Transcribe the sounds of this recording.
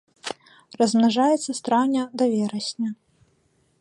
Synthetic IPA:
rɐzmnaʐajɛt̪sːɐst̪ɾawnʲɐd̪avʲɛɾɐsʲnʲɐ

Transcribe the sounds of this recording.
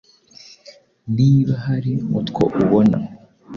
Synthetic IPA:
niːβahaɾimut̪kʰo̰ʔuβona̰

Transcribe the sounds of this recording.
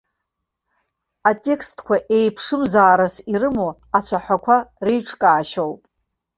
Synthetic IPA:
atʲʼe̞kstʰkʷʰaʔe̞jpʰʂɨmzaːɾasiɾɨmo | at͡sʷʰaħʷakʷʰarejʈ͡ʂʰkʼaːʃowpʼ

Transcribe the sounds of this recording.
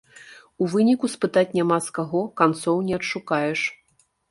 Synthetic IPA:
uvɨnʲikuspɨt̪at͡sʲnʲamaskaɣɔkant̪sɔwnʲɛɐtʂukajɛʂ

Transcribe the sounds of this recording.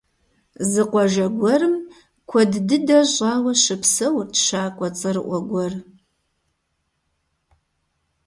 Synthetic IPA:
zɨqʷɔʒɐɡʷɔrɨm | kʷʰɔddɨdɐɕʼɑːwɐɕɨpsɐwtʰʃaːkʷʼɔt͡sʼɐrɨʔʷɔɡʷɔr

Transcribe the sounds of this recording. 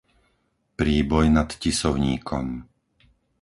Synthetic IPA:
pɾiːbɔjnat̪cisɔʊɲiːkʰɔ̰m

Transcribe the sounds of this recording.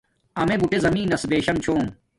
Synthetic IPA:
ɐmebuʈezɐmĩːnɐsbeːɕɐmt͡ɕʰoːn

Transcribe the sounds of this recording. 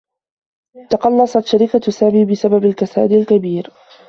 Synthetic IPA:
t̪ɑqɑlːɑsˤɑt̪ʃaɾɪkasaːmiːbɪsababalkasaːd̪ɪlkabiːɾ

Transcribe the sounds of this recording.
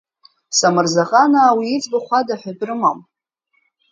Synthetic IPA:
samɨrzaχʼanaːwiːt͡sʼbaχʷadaħʷᶣadʼrɨmam

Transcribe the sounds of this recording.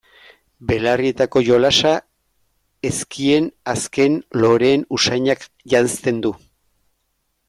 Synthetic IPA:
be̞larie̞t̪ako̞ʝo̞lasa | e̞skʰie̞naske̞nlo̞ɾe̞ːnusajɲak | ʝanst̪e̞nd̪u

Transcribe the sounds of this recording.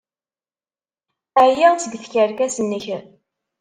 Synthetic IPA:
æjæt͡sːəɡθçəɾkæsənːəç

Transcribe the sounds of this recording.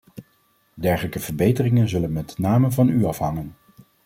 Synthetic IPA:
dɛɹχələkəv̥əɹbejtərɪŋənzɵlənmɛtnaːməvɑnyɑfɦɑŋən

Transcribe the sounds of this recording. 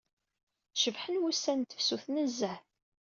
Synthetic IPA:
ʃəvħənwusːænt̪ə̥fsuθnəzːæ

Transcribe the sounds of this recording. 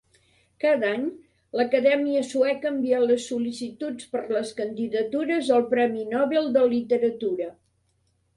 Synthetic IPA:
kaðaɲ | ləkəðɛmiəsuɛkəmbialəsːulisit̪ut͡spəɾləskənd̪iðət̪uɾəzəlˠpɾɛminɔβelˠd̪əllit̪əɾət̪uɾə

